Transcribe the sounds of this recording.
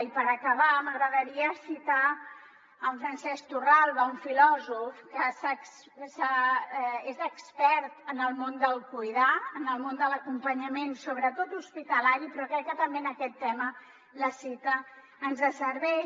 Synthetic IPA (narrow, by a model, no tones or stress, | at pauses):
ipəɾəkəβaməɣɾəðəɾiəsit̪a | əɱfɾənsɛst̪uralˠβəuɱfilɔzufkəsəs | sa | ezəkspɛɾt̪ənəlˠmond̪əlˠkujðaənəlˠmond̪ələkumpəɲəmensoβɾət̪ot̪uspit̪əlaɾipɾɔkɾɛkːət̪əmbenəkɛt̪ːɛmə | ləsit̪əː | nzðəsəɾβɛ